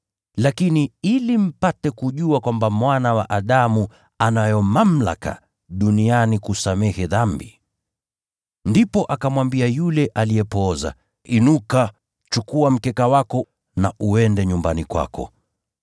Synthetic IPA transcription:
lakiniilim̩patɛkuʄuakwambamwanawa̰ʔaɗamu | anajɔmam̩la̰ka̰ | ɗunianikusamɛhɛðambi | ndipɔʔakamwambiajulɛʔaliɛpɔza̰ | inuka | t͡ʃukuam̩kɛkawakɔ | naʔuɛndɛɲumbanikwa̰kɔ̰

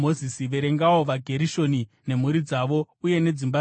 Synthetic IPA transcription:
ozisiʋe̞ɾe̞ŋɡawo̞ʋaɡʱe̞ɾiʃo̞ni | ne̞m̤uɾid͡zaʋo̞ | uje̞ne̞d͡zimba

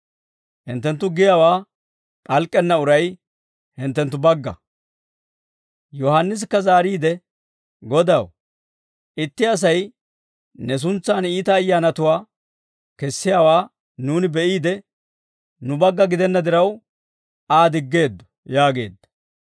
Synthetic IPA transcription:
hɪnt̪ːɛnt̪ːʊɡɪjaːwaː | pʼɐlkʼːɛnːɐʊɾɐj | hɪnt̪ːɛnt̪ːʊbɐɡːɐ̰ | jɔhɐnːɪs̬kːɐzaːɾiːd̪ɛ | ɡɔd̪ɐw | ʔɪt̪ːɪɐs̬ɐj | nɛs̬ʊnt͡sːaːniːt̪ɐːjːaːnɐt̪ʊwaː | kɛsːɪjaːwaː | nuːnɪbɛʔiːd̪ɛ | nʊbɐɡːɐɡɪd̪ɛnːɐd̪ɪɾɐw | aːd̪ɪɡːe̞ːd̪ːɔ̥ | jaːɡe̞̰ːd̪ːɐ̥

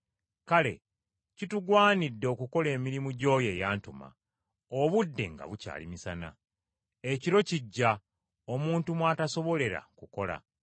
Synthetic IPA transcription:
kale̞̰ | cituɡwaːnidːe̞ːkuko̞le̞ːmiɾimuɟo̞ːje̞ːjaːntuma̰ | oβudːe̞̰ŋɡa̰βuca̰ːlḭmisana̰ | eciɾo̞ciɟːa | omuːntumwaːtaso̞βo̞le̞ɾa̰kuko̞la̰

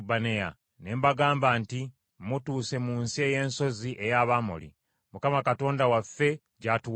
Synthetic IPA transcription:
baneja̰ | ne̞mbaɡaːmbanti | mutuːse̞munsie̞je̞ːnso̞ziʔejaβamo̰lḭ | mukamakato̞ːndawafːe̞ | ɟatu

